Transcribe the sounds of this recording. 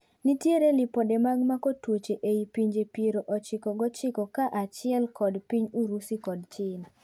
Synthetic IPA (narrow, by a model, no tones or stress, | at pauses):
nitjeɾelɪpodemaɡmakotwot͡ʃeʔeipiɲd͡ʒepeɾoʔɔt͡ʃɪkɔɡɔt͡ʃɪkɔkaʔat͡ʃɪɛlkɔdpiɲuɾusikɔdt͡ʃɪn